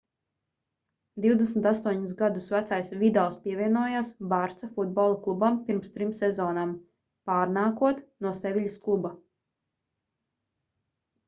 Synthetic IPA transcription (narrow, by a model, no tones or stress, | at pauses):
d̪iwd̪esmt̪ast̪uɔɲus̬ɡad̪usvæt̪sajsvʲid̪alˠspiɛvʲiɛnuɔjaːsbaɾt̪safud̪̚bɔlˠaklˠubampiɾmst̪ɾimsɛzɔːnam | paːɾnaːkuɔt̪nuɔsɛvʲiʎʲisklˠuba